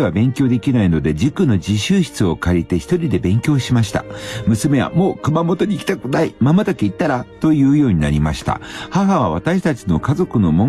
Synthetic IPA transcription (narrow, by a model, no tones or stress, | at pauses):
eβabẽ̞ŋkʲo̞ːd̪e̞kʲinaino̞d̪e̞d͡ʑikɯno̞d͡ʑiɕɨːɕi̥t͡sɨo̞kaɾʲit̪e̞çi̥t̪o̞ɾʲid̪e̞bẽ̞ŋkʲo̞ːɕimaɕi̥t̪a̰mɯ̟sɨme̞βa̰mo̞ːkɯ̟mamo̞t̪o̞ɲ̟iːkʲi̥t̪akɯ̟naimamat̪akeit̪ːaɾat̪o̞jɯ̟ːjo̞ːɲ̟inaɾʲimaɕi̥t̪a̰haɦaβ̞aβ̞at̪aɕi̥t̪at͡ɕino̞kazo̞kɯ̟no̞mõ̞